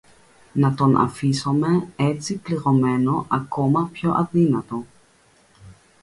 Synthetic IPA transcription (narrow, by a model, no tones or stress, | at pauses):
nat̪o̞nʔa̰fisomeet͡sipliɾomenoʔɐkomɐpçoʔaðinat̪o̞